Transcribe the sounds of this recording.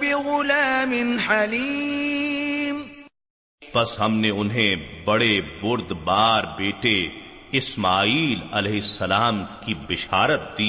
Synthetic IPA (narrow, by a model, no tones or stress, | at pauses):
bɪɣʊlaːmɪnħali | m | bɐsɦɐmneʊnɦẽbɐɽebʊɾd̪baːɾbeːʈeɪsmaːiːlɐlɛːɦɪsːɐlaːmkibɪʃaːɾət̪̚d̪iː